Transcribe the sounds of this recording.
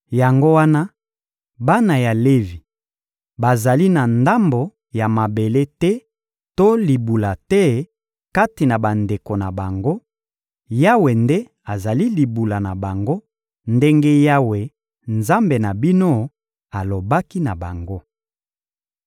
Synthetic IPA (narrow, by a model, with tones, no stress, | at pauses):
ja˨ŋɡo˦wa˦na˦ | ba˦na˨ja˨le˦vi˨ | ba˨za˨li˦na˨nda˦mbo˨ | ja˨ma˨be˨le˦tɛ˦ | to˦li˨bu˨la˨tɛ˦ | ka˦ti˨na˨ba˨nde˨ko˨na˨ba˨ŋɡo˦ | ja˦we˨nde˦ | a˨za˨li˦li˨bu˨la˨na˨ba˨ŋɡo˦ | nde˦ŋɡe˦ja˦we˨ | nza˦mbe˨na˨bi˦no˦ | a˨lo˨ba˦ki˦na˨ba˨ŋɡo˦